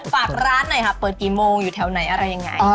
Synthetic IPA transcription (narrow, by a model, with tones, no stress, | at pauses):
faː˨˩k̚ɾaː˦˥nːa˧˥˩jkʰa˦˥pːɤː˨˩t̪̚kiː˨˩moː˧ŋjuː˨˩t̪ʰɛː˨˩wna˩˦jʔa˧ɾa˧jːa˧ŋːa̰˧j